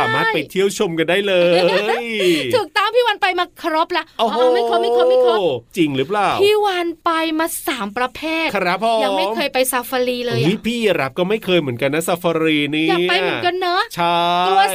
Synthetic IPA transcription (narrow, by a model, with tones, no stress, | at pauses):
aː˩˦maː˥˩t̪̚pa˧t̪ʰi˥˩əwt͡ɕʰo˧mka˧ndaː˥˩jlɤː˧jj̪ʰɯː˨˩k̚t̪a˥˩ŋpʰiː˥˩wa˧npa˧jmaː˧kʰa˧ɾo˦˥p̚lɛ˦˥ʔo˧˩ma˥˩jkʰa˦˥˦ma˥˩kʰaː˧˥˩ma˥˩kʰɔ˦˥t͡ɕi˧ŋɾɯː˦˥plaː˨˩wpʰiː˥˩wa˧npa˧jmaː˧saː˩˦mpɾa˧pʰeː˥˩t̪kʰɾa˦˥ppʰo˧ja˧˦ŋ˧a˥˩jmʰɤː˧jpa˧jsa˧fa˧liː˧lɤː˧jwi˦˥pʰiː˥˩ja˧ɾa˦˥p̚kɔː˥˩ma˥˩jkʰɤː˧jmɯ˩˦nka˧nːa˦˥sa˧fa˧ɾiː˧niː˥ja˨pa˧jmɯ˨˩˦nka˧nːa˦˥t͡ɕʰa˥˩u˧